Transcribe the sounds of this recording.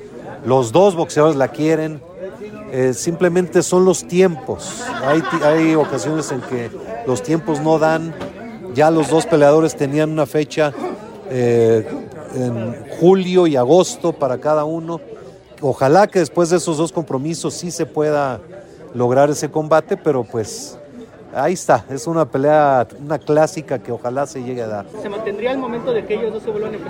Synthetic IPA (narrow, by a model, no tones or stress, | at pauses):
lo̞zðo̞zβo̞kseaðoɾelakje̞ɾe̞n | esimple̞mẽnt̪e̞so̞nlo̞st̪je̞mpo̞sajt̪ajo̞kasjo̞ne̞se̞ŋke̞lo̞st̪je̞mpo̞zno̞ðan | ɟ͡ʝalo̞zðo̞spe̞leað̞o̞ɾe̞st̪e̞nianũnafe̞t͡ʃa | e | enxuljo̞iaɣ̞o̞st̪o̞paɾakaðauno̞ | o̞xalake̞ðe̞spwe̞zðeeso̞zðo̞sko̞mpɾo̞miso̞sːise̞pwe̞ða | lo̞ɣɾaɾe̞se̞ko̞mbat̪e̞pe̞ɾo̞pwe̞s | aist̪ae̞sunape̞leaunaklasikake̞o̞xalase̞ʝe̞ɣeaðaɾsemãnt̪end̪ɾiaelmo̞ment̪oðekeeʝoznoseβolane